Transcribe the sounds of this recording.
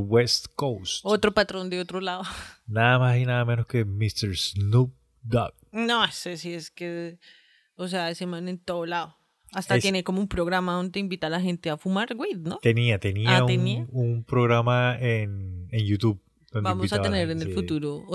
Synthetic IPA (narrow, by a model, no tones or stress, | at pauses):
west̪kowst̪ot̪ɾopat̪ɾond̪eot̪ɾolaðonaðamasinaðamenoskemist̪eɾsnup̚ | d̪ak̚nosesieske | os̬eaesemanent̪oðolaðo | ast̪at̪enekomoumpɾoɣɾamaðond̪eimbit̪alaɦe̞nt̪eafumaɾɡwiðnot̪eniat̪eniaueniumpɾoɣɾamaenenjut̪uβ | d̪̥ondbeamoisaaeneɾenelfut̪uɾo